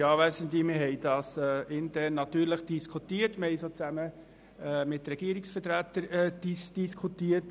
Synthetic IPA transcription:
jɑːʋæsənt̪limɪɦɛjdɑːsɛɪntʰæɾnːɑt̪yːɾləχd̥iskʰutiːəɾtmɪhɛɪjsoːt͡sæmə | mɪtɾɛɡ̥iːəɾɪksfətɾæt̪əɾd̥isd̥iskʰutiət

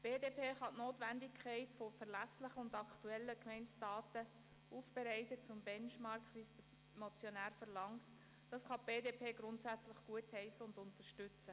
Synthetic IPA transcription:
b̥eːdeːpʰeːχɑtnoːtʋændɪkʰχɛɪtfofɛɾlæslɪχəʊndɑkʰtuɛlːəkmɛɪnt͡sd̥ɑːtə | ʔuːfb̥ɛɾɛɪtət͡sʊmbɛnʃmɑɾkʰχʋiːsd̥ə | mɔt͡sjonæːɾfəɾlɑŋt | d̥ɑsχɑb̥eːdeːpʰeːɡ̥ɾʊntsæt͡slɪχɡ̥uəthɛɪsəʊndʊntəʃtʏt͡sə

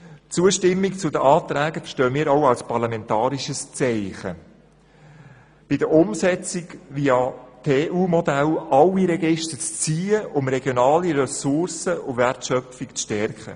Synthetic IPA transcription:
t͡suəʃtɪmːikt͡sʊd̪əʔɑːt̪ɾæːɡəfə̥ʃtøːmiːɾoʊɑlspɑrlɑmɛntɑːɾiʃəst͡sɛɪχə | b̥ɪdəʊmsɛt͡sɪkʋiːɑt̪ʰeːʔuːmɔd̪ælɑliɾɛɡɪʃtət͡st͡siːəʔʊmɾɛɡjonɑːliɾɛsʊrsəʊvɛrtʃœfikt͡sʃtɛrkχə̰

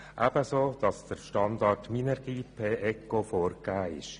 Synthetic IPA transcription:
ʔæb̥əsoːd̥ɑsd̪̥əɾʃtɑnd̪ɑrtminɛɾɡ̥iːpʰeːʔɛkːofɔːɾkːæːɪ̰ʃ

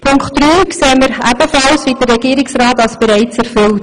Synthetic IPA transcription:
pʰʊŋktɾyːkseːməɾæb̥əfɑlsʋiːd̥ərɛɡiːɾɪksrɑːtɑlsb̥eɾɛɪt͡sæɾfʏlt

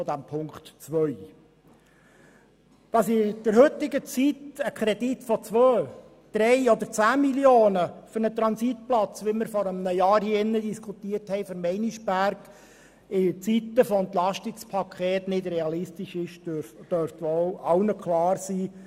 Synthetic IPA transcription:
ʊd̥̪æmpʰʊŋkt̪t͡sʋœʏ | d̪̥ɑsɪd̥əɾɦɵt̪ːɪɡət͡sitəkχɾɛditfɔt͡sʋœː | d̪̥ɾɛɪɔd̪əɾt͡sæːmiljoːnəfʏɾnət̪ɾɑnsit̪̚plɑt͡sʋɪməɾfɔɾəmnəjɑːɾhiːɪnːəd̪iskχut̪iərthɛjfəɾmɛɪniʃbæɾk | ɪt͡sit̪əfɔɛnt̪lɑʃtɪkspʰɑkʰχeːt̪nɪd̪ɾɛɑlɪst̪ɪʃɪʃd̥œɾft̪ʋɔɑwnəkχlɑːrsiː

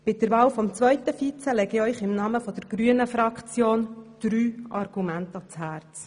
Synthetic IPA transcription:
b̥ɪdəɾvɑːwfɔmt͡sʋvœʏtəfit͡səlɛɡiœʏχɪmnɑːməfɔd̥əɾɡ̥ɾyənəfɾɑkt͡sjoːnd̥ɾyːʔɑrɡ̥umæntɑt͡shæːrt͡s

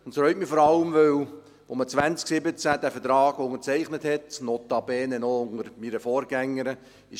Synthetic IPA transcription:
ʊntfɾœʏtmifɔɾɑləmʋøw | ʋomət͡sʋænt͡sksɪbət͡sæd̥æfəɾtɾɑːɡ̥ʊŋəɾt͡sɛɪχnəthɛtnɔt̪ɑbɛːnɛnɔʊŋəɾmiːɾəfɔːɾɡ̥æŋːəɾə | ɪʃ

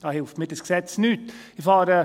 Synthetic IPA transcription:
d̥ɑːhɪlftmɪdəsksɛt͡snytː | ɪfɑːɾə

